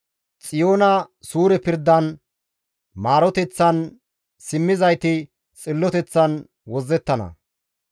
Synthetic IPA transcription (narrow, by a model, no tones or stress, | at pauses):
t͡sʼɪjo̞ːnɐsuːɾɛpɪɾd̪ːɐn | maːɾɔt̪ɛt͡sːɐn | sɪmːɪzɐjt̪ɪ | t͡sʼɪlːɔt̪ɛt͡sːɐn | wɔzːɛt̪ːɐnɐ̰